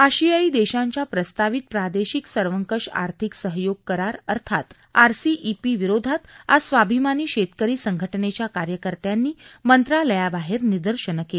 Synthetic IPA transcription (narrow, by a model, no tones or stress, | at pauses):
aɕijaiːd̪eɕãɲt͡ɕjapɾəst̪aʋit̪̚pɾad̪eɕiksəɾʋəŋkəʂa̰ɾt̪ʰiksəɦjoɡ̚kəɾaɾəɾt̪ʰat̪ | a̰ɾsiʔipiʋiɾod̪ʱat̪a̰sʋabʱimaniːɕet̪kəɾiːsəŋɡʱəʈnet͡ɕjakaɾjəkəɾt̪janːiːmənt̪ɾaləjabaɦeɾnid̪əɾɕənəke